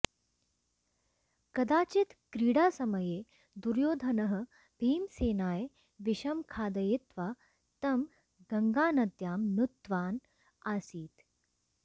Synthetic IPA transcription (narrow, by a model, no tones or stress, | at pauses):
kɐd̪aːt͡ɕit̪kɾiːɽaːsɐməjeː | d̪uɾjoːd̪ʱɐnɐɦə̆ | bʱiːmseːnaːj | ʋiɕɐmkʰaːd̪ɐjet̪ʋa | t̪ɐm | ɡɐŋɡaːnɐd̪jaːmnut̪ːʋaːn | aːsiːt̪